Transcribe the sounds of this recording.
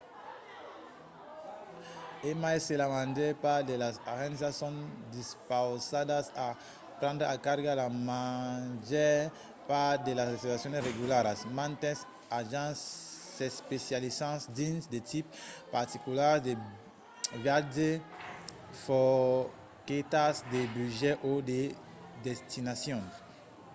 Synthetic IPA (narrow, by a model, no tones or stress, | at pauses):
emaeselamãndepad̪elazɔʁɡanizasjɔ̃nd̪ispawsad̪asa | pɾɑ̃nd̪ɾakaɾɡalamaʒɛ | pad̪elazsitasjɔ̃neʁeɡylaɾasmãnt̪ɛ̃s | aʒãs | espesjalisãsd̪ĩnsd̪et̪ipːaʁt̪ikulasd̪e | vade | fɔ | ket̪asd̪ebyʒɛʔod̪e | d̪ɛst̪ʰinasjɔ̃n